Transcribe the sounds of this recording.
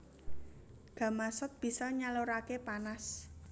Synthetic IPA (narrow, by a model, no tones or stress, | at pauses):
ɡ̥a̤masʊt̪̚b̥i̤sɔɲaloɾakepanas